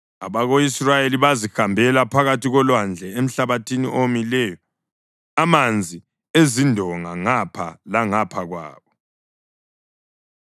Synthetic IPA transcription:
aβaɣoisrajeliβazixambʱɛlapʰaɣatiɣɔlwand͡ɮʱɛem̩ɬaβatʰinḭʔomilɛjɔ | amand͡zʱi | ezindʱɔŋaŋapʰalaŋapʰaɣwa̰ːβɔ

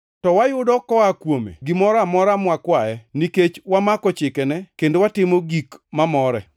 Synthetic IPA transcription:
tɔwajʊdɔkɔakwomḛɡɪmɔɾamɔɾamwakwaɛniket͡ʃwamakɔt͡ʃɪkɛnɛkendowatɪmoɡikmamɔɾɛ̰

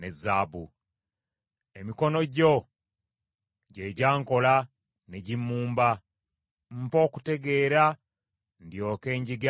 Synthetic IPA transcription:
nezaːbu | emiko̞no̞ɟo̞ | ɟeɟaːŋko̞la | neɟimːuːmba | m̩po̞ːku̥te̞ɡe̞ːɾa | ndjo̞ːke̞ːɲɟiɡ

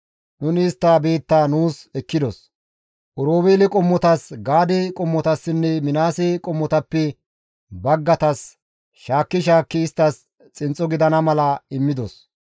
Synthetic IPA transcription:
nʊnɪːst̪ːaːbe̞ːt̪ːaːnuːsɛkːɪd̪ɔs | ʔʊɾoːbeːlɪkʼɔmːɔt̪ɐsɡaːd̪ɛkʼɔmːɔt̪ɐsːɪnːɛmɪnaːsɛkʼɔmːɔt̪ɐpːɛ | bɐɡːɐt̪ɐs | ʃaːkːɪʃaːkːɪːst̪ːɐs | t͡sʼɪnt͡sʼːɔɡɪd̪ɐnɐmɐlɐɪmːɪd̪ɔs

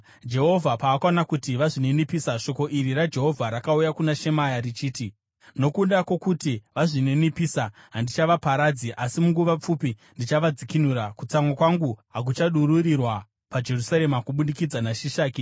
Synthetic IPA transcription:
d͡ʒe̞ɦo̞vʱapaːkanakutiʋaʐine̞nipisaʃo̞ko̞ʔiɾirad͡ʒe̞ɦo̞vʱaɾakaujakunaʃe̞majarit͡ʃiːti | no̞kundakwo̞kutiʋaʐine̞nipisa | ɦandit͡ʃaʋapaɾad͡ziʔasimuŋɡuʋap͡fupindit͡ʃaʋad͡zikinuɾakut͡samwakwaŋɡuɦak̬ut͡ʃaɗuɾurirwa | pad͡ʒe̞rusaɾe̞makuɓunikid͡zanaʃiʃaːki

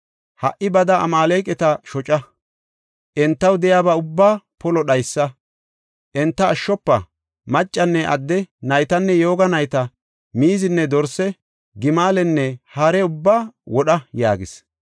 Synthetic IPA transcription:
hɐ̰ʔɪbɐd̪ɐɐ̰maːlejkʼɛt̪ɐʃɔt͡ʃʼɐ | ʔɛnt̪ːɐwd̪ɛjaːbɐʊbːaːpɔlɔɗɐjsːɐ | ʔɛnt̪ːɐːʃːɔpːɐ̰ | mɐt͡ʃʼːɐnːɛʔɐ̰d̪ːɛnɐjt̪ɐnːɛjo̞ːɡɐnɐjt̪ɐ | miːzɪnːɛd̪ɔɾsɛ | ɡɪmaːlɛnːɛhaɾɛʊbːaːwɔɗɐja̰ːɡɪs

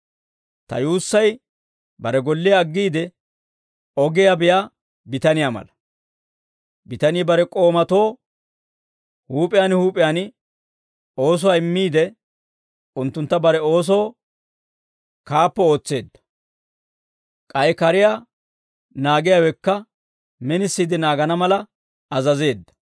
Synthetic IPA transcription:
t̪ɐ̰juːsːɐj | bɐɾɛɡɔlːɪjaːɡːiːd̪ɛ | ɔɡɪjabɪjaː | bɪt̪ɐnɪjaːmɐ̰lɐ | bɪt̪ɐnɪːbɐɾɛkʼo̞ːmɐt̪o̞ː | huːpʼɪjaːnhuːpʼɪjaːnɪ | o̞ːs̬ɔwaːɪmːiːd̪ɛ | ʊnt̪ːʊnt̪ːɐbɐɾɛo̞ːs̬oː | kaːpːɛo̞ːt͡sːe̞ːd̪ːɐ̥ | kʼɐjɛkɐɾɪjaː | naːɡɪjaːwɛkːɐ | mɛnɪsːiːd̪ɪnaːɡɐnɐmɐlɐ | ɐzɐze̞ːd̪ːɐ̥

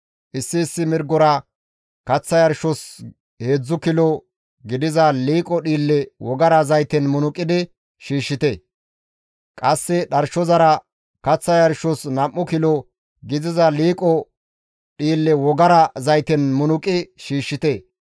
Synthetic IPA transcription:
ʔɪsːɪːsːɪmɪɾɡɔɾɐ | kɐt͡sːɐjɐɾʃɔs | he̞ːd͡zːʊkɪlɔ | ɡɪd̪ɪzɐliːkʼɔɗiːlːɛwɔɡɐɾɐzɐjt̪ɛnmʊnʊkʼɪd̪ɪ | ʃiːʃːɪt̪eː | kʼɐsːɛɗɐɾʃɔzɐɾɐ | kɐt͡sːɐjɐɾʃɔsnɐmʔːʊkɪlɔ | ɡɪzɪzɐliːkʼɔ | ɗiːlːɛwɔɡɐɾɐzɐjt̪ɛnmʊnʊkʼɪʃiːʃːɪt̪e

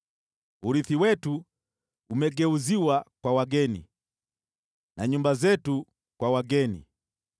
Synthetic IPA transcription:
uɾiθiwɛtu | umɛɡɛuziwakwawaɡɛnḭ | nʔaɲumbazɛtu | kwawaɡɛnḭ

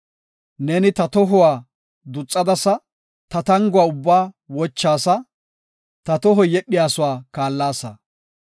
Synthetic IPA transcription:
nɛnɪt̪ɐt̪ɔɦʊwaː | d̪ʊt͡sʼːɐd̪ɐsɐ | t̪ɐt̪ɐŋɡʊwaːʊbːaː | wɔt͡ʃːaːsɐ | t̪ɐt̪ɔɦɔjɛɗːɪjaːsʊwaːkaːlːaːsɐ̰

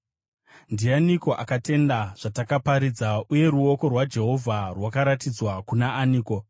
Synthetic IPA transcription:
ndianiko̞ʔakate̞ndaʐ̥atakapaɾid͡zauje̞ɾuo̞ko̞rwad͡ʒe̞ɦo̞vʱarwakaɾatid͡zwakunaːniːko̞

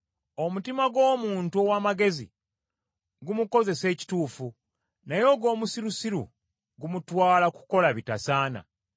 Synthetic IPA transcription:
o̞mutimaɡo̞ːmuːntuowaːmaɡe̞zḭ | ɡumuko̞ze̞se̞ːci̥tuːfu | najo̞ːɡo̞ːmusiɾusiɾṵ | ɡumutwaːlaku̥ko̞laβitasaːna̰

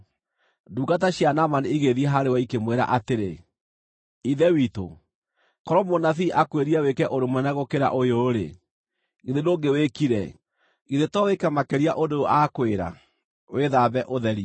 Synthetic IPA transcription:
duːɡataɕianamaniiɣeðieɦaɾewaikemweɾa̰ʔateɾe | iðɛwito̰ | kɔɾɔmonaθiʔakweɾiawekɛʔoɾemwɛnaɣokeɾa̰ʔojoːɾḛ | ɣiðedoɡewekiɾɛ̰ | ɣiðetɔwekɛmakeɾiaʔodoakweɾa̰ | weðabɛʔoðɛɾi

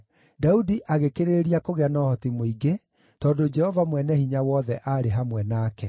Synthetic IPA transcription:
daudiʔaɣekeɾeeɾiakoɣeanɔhɔtimoiɡe | tɔdod͡ʒɛhɔvamwɛnɛhiɲawɔðɛʔaɾeɦamwɛnaːkɛ

